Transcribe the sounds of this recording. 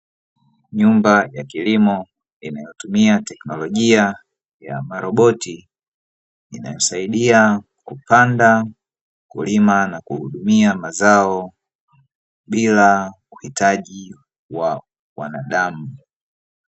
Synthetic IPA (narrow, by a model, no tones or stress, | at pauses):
ɲumbajakilimɔ | inajɔtumiatɛknɔlɔʄia | ja̰maɾɔɓɔti | ina̰jɔsaiɗia | kupanda | kṵlimanakuhuɗumiamazaɔ | ɓila | uhitʰaʄi | wa | wa̰naɗamu